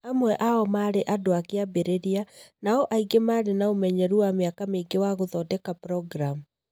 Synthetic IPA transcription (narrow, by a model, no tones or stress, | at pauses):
amwɛʔaɔmaːɾeʔadoakeabeɾeɾianaɔʔaiɡemaːɾenaomɛɲɛɾuameakameɡewaɣoðɔdɛkapɾɔɡɾam